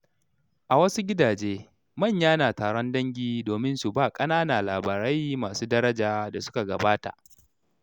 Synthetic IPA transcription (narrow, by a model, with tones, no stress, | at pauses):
ʔa˨wɐ˦su˦ɡʲɪ˦daː˨d͡ʒeː˦ | mɐ˦˨ɲjaː˦naː˨taː˨ɾɔ˦ndɐ˦ŋɡʲiː˨doː˨mɪ˦nsu˨baː˦˨kʼɐ˦naː˦na˨laː˨baː˨ɾɐ˦jmaː˨suː˦dɐ˦ɾɐ˦d͡ʒaː˨da˨sʊ˦ka˨ɡɐ˨baː˦ta̰˨ʔ